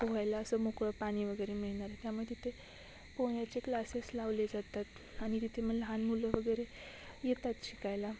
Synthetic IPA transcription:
oɦajlaəsəmokɭəpaɽ̃iʋəɡəjɾemiɭɳaɾet̪jamuɭett̪it̪ʰe | poɳjat͡seklaseslaʋled͡zat̪at̪ | añit̪it̪ʰem̤əlɦanmuləʋəɡəjɾe | jet̪at̪ɕikajla

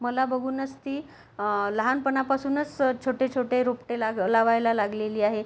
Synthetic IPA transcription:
məlabəɡʱuːnət͡st̪iː | ləɦanpəɳapasuːnət͡st͡ɕʰoʈet͡ɕʰoʈeɾopʈelalaʋajlalaɡleliːaɦe

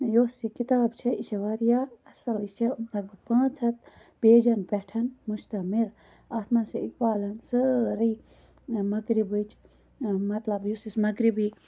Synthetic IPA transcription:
joːsikit̪aːbt͡ʃʰɐiʃɐʋaɾjaːɐsɐliʃɐd̪ɐɡ̚bɨk̚pãːt͡sʰɐt̪̚ | b̥eːd͡ʒɐnpɛʈʰɐnmuʃt̪ɐmiɾ | aːt̪maːsiik̚baːlɐnsɐɾiː | mɐɡɾibɨt͡ʃʰ | mɐt̪lɐbjusismɐɡɾibi

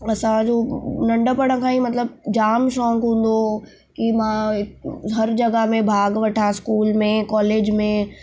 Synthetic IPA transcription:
ɐsãd͡ʒoːnɐ̃ɳɖəpəɽə̃kʰãĩmɐt̪ləb̚d͡ʒaːmʃɔ̃ːŋkɦũːn̆d̪o | kimãɪɦɐɾd͡ʒɐɡəɦmẽbʱaːɡʋɐʈʰaskuːlmẽkɔːleːd͡ʒmẽ

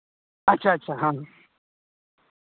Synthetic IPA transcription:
ɐtːɕʰaɐtːɕʰaɦã

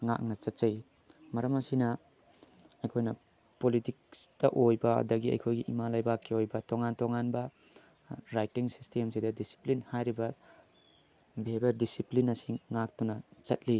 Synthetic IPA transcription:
ŋa̰k̚nɐt͡ʃɐt̚t͡ʃaj | mɐɾɐmɐsinɐ | ɐjkʰojnɐ | politiksd̥ɐʔojbɐɐ̰dɐɡiɐ̰jkʰojɡiʔimalajbakʰːiojbɐtoŋantoŋanbɐ | ɾajtiŋsi̥stemsidɐdisi̥plinhajɾibɐ | bʱebeɾdisiplinɐsiŋːak̚tunɐt͡ʃɐt̚li

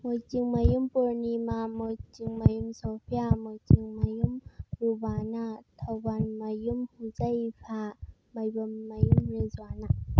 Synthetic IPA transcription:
mot͡ʃiŋmɐjumpoɾnimamot͡ʃiŋmɐjumsopʰjamot͡ʃiŋmɐjumɾubaːnat̪ʰawbanmɐjumhuzɐjpʰa | mɐjbɐmːɐjumɾezwaːna

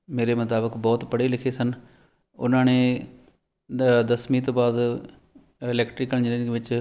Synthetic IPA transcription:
meːɾeːmət̪aːbəkbɔːt̪pəɽeːlɪkʰeːsən | ʊ̰nãːneː | d̪əsmĩːt̪̬õːbaːd̪ | ɪlɛːkʈɾɪkəld͡ʒɪeʋɪt͡ʃ

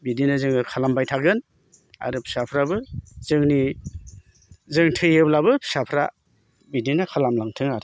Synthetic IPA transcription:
bidinazɯŋɯkʰalambajtʰaɡɯn | a̰ɾɯpʰi̥sapʰɾabɯzɯŋni | zɯŋtʰɯjeblabɯpʰi̥sapʰɾa̰ | bidinakʰalamlaŋtʰɯŋaɾ

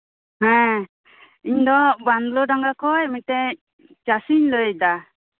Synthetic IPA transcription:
hɛ̃ | iɲd̪ɔband̪lɔdaŋɡakɔjmit̪ɛ | t͡ʃasiɲləjd̪a

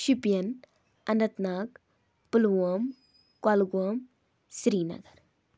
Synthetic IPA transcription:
ʃipjɐn | ɐnɐt̪naːk | pulwɐm | kalɡwɐm | sɾiːnɐ̰ɡɐɾ

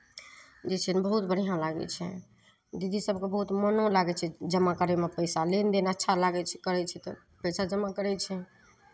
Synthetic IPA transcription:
d͡ʒet͡ʃʰɛnbəɦut̪bəɽ̤ijãlaɡɛ̰t͡ʃʰɛ̰ | d̪id̪isəbʱkebəɦut̪mənolaɡɛt͡ʃʰɛd͡ʒəmːakəɾemepəjsalend̪enətːʃʰalaɡɛt͡ʃʰɛkəɾɛt͡ʃʰɛt̪ɔ̰ | pəjsad͡ʒəmːakəɾɛt͡ʃʰɛ

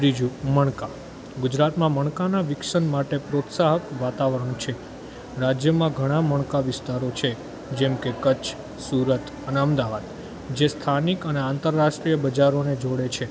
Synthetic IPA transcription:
ɾid͡ʒuməɳka | ɡʊd͡ʒɾat̪mãməɳ̃kanaʋɪkʂənmaʈepɾot̪saɦəkʋat̪aʋəɾəɳ̃t͡ʃʰe | ɾad͡ʒjəmãɡʱəɽ̃ãməɳ̃kaʋɪst̪aɾot͡ʃʰe | d͡ʒɛmkekət͡ʃʰ | suɾət̪ʰəneəmd̪aʋad̪ | d͡ʒest̪ʰanikəneãnt̪əɾːaʂʈɾijəbəd͡ʒaɾoned͡ʒoɽet͡ʃʰe

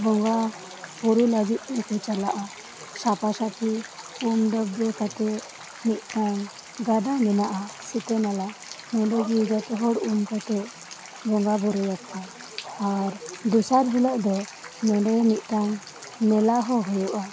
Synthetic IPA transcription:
bɔŋɡa | bɔɾɛləɡit̪̚ˀnɛkɔt͡ʃalaʔa | sapasat̪ʰi | umd̪əbɾɛkat̪ɛ | nit̪̚ˀʈ̪aŋ | ɡad̪anɛnaʔasit̪ɛnalaʔ | mɛ̃ɖɔɡiːd͡ʒat̪ɛɦɔɽumkat̪ɛ | bɔŋɡabɔɾɛjakːa | aɾd̪usaɾɦɛlɔʔd̪ɔ | mɛɳɖɔniʔ̪̚ˀʈ̪aŋ | nɛlaʔɦɔɦɔjɔʔa

